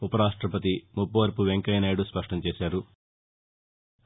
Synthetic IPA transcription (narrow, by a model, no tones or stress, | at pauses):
upɐɾaːʂʈɾɐpɐt̪imupːɐʋɐɾpuʋeŋkɐjnaːjɽuspɐʂʈɐmt͡ʃeːsaːɾu